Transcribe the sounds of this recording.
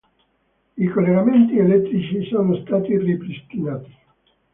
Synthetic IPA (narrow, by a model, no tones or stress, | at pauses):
ikolːeɡament̪ielɛt̪ːɾit͡ʃisoːnost̪aːt̪iripɾist̪inaːt̪i̥